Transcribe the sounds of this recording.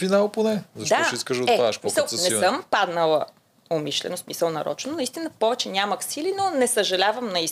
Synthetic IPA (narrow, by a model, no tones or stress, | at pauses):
finalˠponɛzɐʃd̪aiskəʒoɛaʃpmisəlˠsnɛsəmpad̪nəlˠə | omiʃlɛ̰nosmisəlˠnɐ̰ɾɔ̰t͡ʃnonɐist̪inəpɔvɛt͡ʃɛnʲaməxsilinonɛsəʒɐlʲavəmnɐi